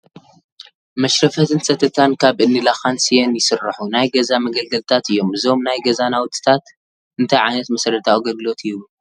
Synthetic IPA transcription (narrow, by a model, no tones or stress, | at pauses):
mɐʃɾɐfɐt̪ʰɨnsɐt̪ʰɐt̪ʰankʰaβʔɨnːɨlaxansijenjɪsɨrɐħunajɡɐzamɐɡɐlɡɐlt̪ʰat̪ɨjːo̞mɨzo̞mnajɡɐzanawt̪ʼːɨ̥t̪ʰat̪ | ɨnt̪ʰajʕajnɐt̪mɐsɐɾɐt̪ʰawɡɐd̪lo̞t̪ʰɨju